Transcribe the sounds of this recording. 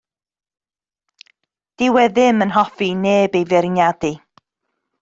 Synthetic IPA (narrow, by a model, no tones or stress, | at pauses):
d̥ɪwɛðɪmənɦɔfineːbejvɛɾɪnjadi